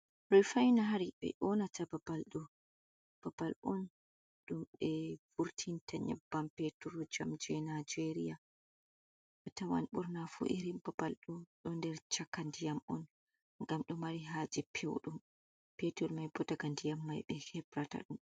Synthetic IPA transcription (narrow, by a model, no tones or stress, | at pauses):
ɾɔjfajnaɦaɾibɛ̰ʔɔnatababalɗɔ | b̥abalʔɔn | ɗumɓɛvuɾtʰintaɲɛ̰bːampetuɾɔd͡ʒamd͡ʒɛnad͡ʒeɾija | ʔatawa̰nɓṵɾnafṵʔiɾimbabalɗɔɗɔndɛɾt͡ʃakandijamʔɔn | ŋɡamɗɔmaɾiɦaːd͡ʒɛpʰewɗum | petuɾmajbɔdaɡandijamːajɓɛhɛbɾata̰ɗum